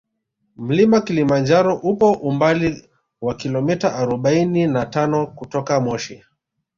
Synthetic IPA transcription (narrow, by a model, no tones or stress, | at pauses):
m̩limakilimand͡ʒaɾɔʔupɔʔumbali | wakilɔmitaʔaɾɔɓaininatanɔkutɔkamɔʃi